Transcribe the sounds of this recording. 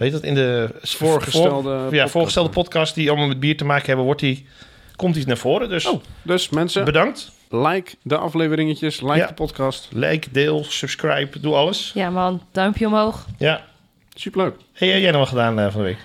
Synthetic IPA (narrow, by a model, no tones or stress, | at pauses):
hetɔtɪndəfoːɹxəsɛlˠdəjafʊːɹxχəstɛlˠdəpɔtkɑstdiɑlˠmɔlˠmɛt̚biːtəmaːkəɦɛbəʋɔti | kɔmtinaɹfoːɾədøsodøsmɛnsəbədɑŋkt | lɛjkdəʔɑ̰fleːvəɾɪŋəcəslɛjadəpɔtkɑstlɛ̰jkdɪːlˠsʉpskrajpduɑləsjamɔnd̥ɔɥmpjəomɦowxja | sypəløːk̚hɛɛjɛjnɔʋɔlˠχədaːnəfɔndəʋḛːk